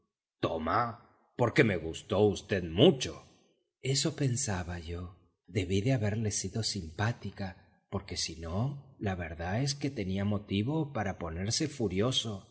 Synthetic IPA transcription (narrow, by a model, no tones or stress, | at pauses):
t̪oma | po̞ɾke̞me̞ɣust̪o̞ust̪e̞ðmut͡ʃo̞ | e̞so̞pe̞nsaβaʝo̞ | ðe̞βiðeaβe̞ɾle̞siðo̞simpat̪ika | po̞ɾke̞sino̞laβe̞ɾðae̞s̬ket̪e̞niamo̞t̪iβo̞paɾapo̞ne̞ɾse̞fuɾjo̞so̞